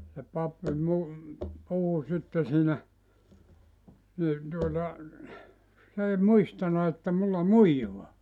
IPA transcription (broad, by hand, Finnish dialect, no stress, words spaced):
se pɑpːi mu puhu sitːe siːnæ ni tuotɑ s ei muistɑnɑ etːæ mulːɑ muijoɑ